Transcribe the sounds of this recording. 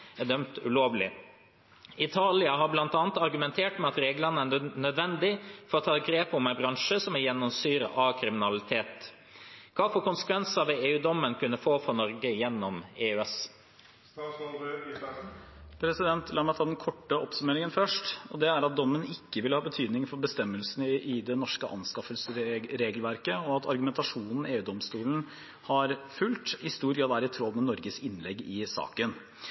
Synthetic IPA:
æd̪œmt̪ʉloːʋlɪ̰ | ɪt̪ʰɑːlɪɑɦɑɾblɑnt̪ɑːnt̪ɑɾɡʉmɛnt̪ʰeːʈmɛɑt̪ɾeːɡlənənœd̪ʋɛnd̪ɪfɔɾɔt̪ʰɑːɡɾeːpɔmɛnbɾɑŋʂəsɔmɛjɛnːɔmsyːɾə̰ʔɑkʰɾɪmɪnɑlɪt̪ʰeːt̪ | kʰɑːfɔɾkʊnsə̥kʰʋɛnsɑʋɛeːʉːd̪ɔmːənkʰʉnːəfoːfɔɾnɔɾɡəjɛnːɔmeːʉɛs | pʰɾɛsɪd̪ɛnt̪lɑːɾmæɪt̪ʰɑːd̪ɛnkʰɔʈːəʔɔpsʉmeːɾɪŋənfœʂʈɔd̪ɛæɾɑt̪̚d̪ɔmːənɪkːəʋɪləhɑːbət̪ʰyːd̪nɪŋfɔɾbəst̪ɛmːəlsnʔɪd̪ɛnɔʂkəʔɑ̰nskɑfəlsɾeːɡəlʋæɾkəɔɑt̪ʰɑɾɡʉmɛnt̪ɑʂuːnn̩eːʉːd̪ɔmst̪uːln̩ | hɑɾfʉlt̪ɪst̪uːɾɡɾɑːd̪æːɾɪt̪ʰɾɔlmɛnɔɾɡəsɪnlɛɡːɪsɑ̰ːkən

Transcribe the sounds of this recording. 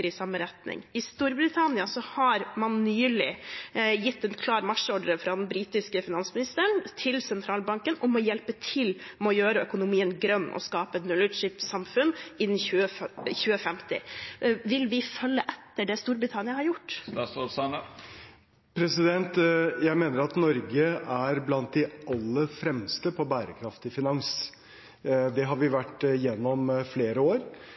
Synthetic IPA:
ɾɪsɑmːəɾɛt̪nɪ̰ŋɪst̪uːɾbɾɪt̪ʰɑnɪɑsɔhɑɾmɑnːyːlɪjɪt̪ːɛnkʰlɑːɾmɑʂɔɖəɾəfɾɑːd̪ɛnbɾiːt̪ɪskəfɪnɑnsmɪnɪst̪əɳt̪ʰɪlsɛnt̪ʰɾɑːlbɑŋkənɔmɔjɛlpət̪ʰɪlmɛɔjøːɾəœkʊnʊmiːənɡɾœnːʔɔ̰skɑːpəɛt̪mʉlːəʂɪpsɑmfʉnːɪnːɪçʉːəçʉːəfɛmt̪ɪ̰ʋɪlʋɪfœlːəʔɛt̪ːəɖɛst̪uːɾbɾɪt̪ʰɑnɪɑhɑɾjʊʈ̪ː | pʰɾɛsɪd̪ɛnt̪jæɪmeːnəɾɑt̪nɔɾɡəæɾblɑnt̪̚d̪ɛɑlːəfɾɛmst̪əpʰɔbæːɾəkʰɾɑft̪ɪfɪnɑŋs | d̪ɛɦɑɾʋɪʋæʈːjɛnːɔmfleːɾəoːɾ

